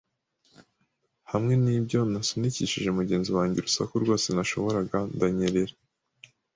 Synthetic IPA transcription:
hamŋe̞niːbɟo̞nasuniciʃiʒe̞muɟe̞ːnziwaːɲɟe̞ɾusa̰kuɾɡwoːse̞naʃo̞βo̞ɾaɡandaɲeɾe̞ɾa

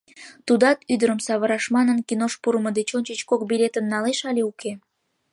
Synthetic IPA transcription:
t̪ud̪ɑt̪yd̪əɾəmsɑβəɾɑʃmɑnənkinoʃpuɾəməd̪et͡ɕonʲt͡ɕət͡ɕkok̚bilʲet̪ənnɑleʃɑlʲeukʰe

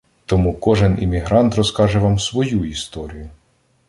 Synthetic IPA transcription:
t̪ɔmukɔʒɛnḭmʲiɦɾɑnt̪rɔskɑʒɛʋɑmsʋɔjuist̪ɔɾʲijʊ

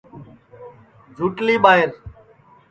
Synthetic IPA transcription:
d͡ʒʱuːʈliːɓaːɦɪɾ

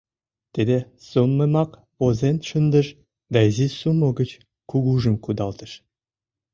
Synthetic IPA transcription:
t̪ed̪e | somːemɑk | ozent̪ʃənd̪ə̆ʃ | d̪ɑezisumŏɡə̆t͡ɕ | kuɡuʒə̆mkud̪ɑlt̪ə̆ʃ

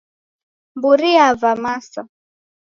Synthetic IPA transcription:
mbuɾiavamasa

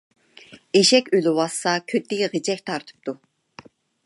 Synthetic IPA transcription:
eʃɛkʲylɪwɑsːɑkʲʰøt̪ːɪiʁed͡ʒɛk̚ʲt̪ʰɑɾt̪ʰɨ̥p̚t̪ʰu

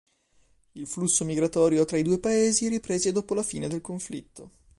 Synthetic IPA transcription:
ilflusːomiɡɾat̪ɔːɾjot̪ɾaid̪uːepaeːziɾipɾeːzed̪ɔːpolafiːned̪elkoɱflit̪ːo

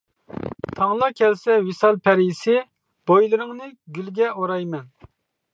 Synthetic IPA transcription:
t̪ʰɑŋlˠɑkʲʰɛlsɛwisɑlˠpʰɛɾisɪ | b̥ojlˠɨɾɨŋnɨɡʲylɡʲɛoɾɑjmɛn

